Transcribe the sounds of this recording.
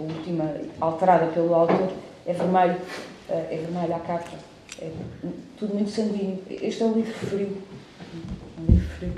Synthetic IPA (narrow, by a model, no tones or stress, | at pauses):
ɐulˠt̪imɐalˠt̪ɨɾaðɐpelˠuawt̪oɾ | ɛvɨɾmɐʎu | ɛʔɛvɨɾmɐʎakaɾpɐ | ɛt̪uðumũj̃t̪sɐ̃ŋɡwiɲṵʔeʃt̪ɛũlˠivɾufɾĩ | ɛulˠivɾufɾiw